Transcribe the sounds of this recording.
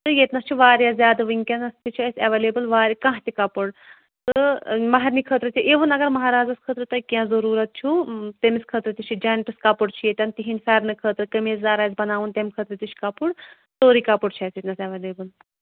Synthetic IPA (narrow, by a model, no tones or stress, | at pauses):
t̪ɨjet̪nɐst͡ʃʰuʋaːɾʲjazʲjaːd̪ɐʋɨŋʲkʲɐnɐst̪it͡ʃʰiɐsʲɐʋeleːbɨlʋaːɾʲikãɦt̪ikɐpuɽ | t̪ɨmɐɦɐɾnikʰəːt̪ɾɨt̪ʲʰiʔeʋunɐɡɐɾmɐɦaːɾaːzɐskʰəːt̪ɾɨt̪ɐkʲjãːzɐɾuːɾɐt̪̚t͡ʃʰut̪emiskʰəːt̪ɾɨt̪it͡ʃʰid͡ʒaːnʈɨskɐpuɽt͡ʃʰijet̪ʲɐnt̪iɦinʲfɛːɾnɨkʰəːt̪ɾɨkɐmeːzzaːɾaːjzbɐnaːʋunt̪emkʰəːt̪ɾɨt̪iʃkɐpuɽ | t̪oːɾikapuɽt͡ʃʰɐsjet̪nɐsɐʋeːleːbɨl